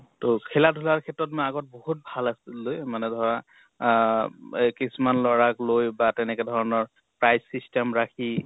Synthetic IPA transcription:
tokʰɛlatʰulaɹkʰɛtɹɔtmɔaɡɔt̚boɦut̚bʱalasilojmanɛdʱɔɹa | kisumanlɔɹaklojbatɛnɛkɛdʱɔɹɔnɔɹ | pɹajsːistɛmɹakʰi

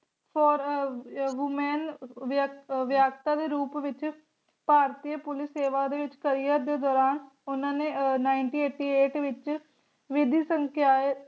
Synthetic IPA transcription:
pʰɔːɾ | ɦumɛːnʋʋjaːkt̪aːd̪eːɾuːpʋɪt͡ʃ | paːɾt̪ijəpʊlɪsːeːʋaːd̪eːʋɪt͡ʃkəɾijəd̪eːd̪ɔːɾaːn | ʊnãːneːnaːɪɳʈiːeːʈiːeːʈʋɪt͡ʃ | ʋɪd̪iːsəŋkʰjaːe

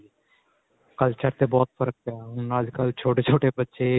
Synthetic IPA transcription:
kəlt͡ʃəɾt̪eːbɔːt̪fʰəɾək̚paːʊnːaːd͡ʒkəlt͡ʃʰoːʈeːt͡ʃʰoːʈeːbətːʃeː

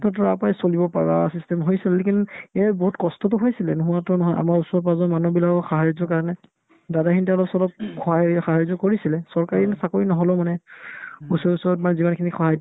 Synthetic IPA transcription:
tʰɔtɔapajsolibɔpaɹa̰sistɛmɦojsilɛlekinɛaboɦutkɔstɔtʊɦojsilɛnuɦʊatɔnɔɦɔja̰maɹusɔɹpazɔmanubilakɔxaɦajɔzɔkaɹɔnɛ | dadakʰinituɔlɔpsɔlɔp̚kɔaxaɦajzɔkoɹisilɛsɔɹkaɹinɛsakoɹinɔɦɔlɔmanɛ | usɔɹusɔɹɔtmanɛzimankʰinixɔɦaj

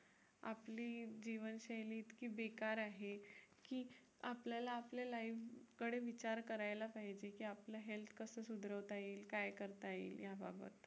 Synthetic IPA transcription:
a̰pliːd͡ʑiʋənɕajliːt̪kiːbekaɾaɦekiː | a̰pljalaːplalaiʋkəɽeʋit͡ɕaɾkəɾajlapaɦid͡ʑekiːaplaɦelt̪ʰkəsəːsud̪ɾəʋt̪aiːlkajkəɾt̪aḭljabʱabə̰t̪

